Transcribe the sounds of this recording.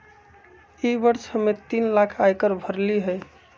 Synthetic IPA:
ibəɾt͡ʃʰhəmːet̪inlakʰajkəɾbʱəɾliɦəj

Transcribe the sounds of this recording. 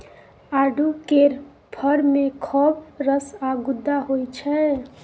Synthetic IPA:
aɖʱukeɾ | pʰʌɾmekʰɔbɾəsaɡud̪ːaɦojt͡ʃʰɛ

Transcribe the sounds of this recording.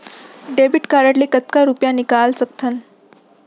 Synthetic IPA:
ɖebiʈkaɾəʈlikət̪kaɾupjãnikalsək̚t̪ʰən

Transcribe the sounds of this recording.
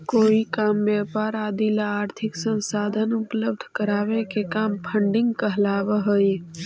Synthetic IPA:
koːikaːmbɛːpaːɾaːd̪ilaaːɾt̪ʰɪksə̃nsaːd̪ʱənʊpləb̚d̪ʱkəɾaːʋekekaːmpʰə̃ɳɖɪ̃ŋɡkəɦlaːʋəɦəj

